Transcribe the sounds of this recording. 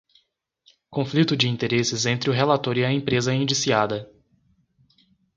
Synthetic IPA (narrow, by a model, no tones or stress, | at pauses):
kõflit̪ʊd͡ʒɪĩnt̪eɾesɪzẽnt̪ɾɪʊɦelat̪oɾiɐẽpɾezɐĩnd͡ʒisiad̪ɐ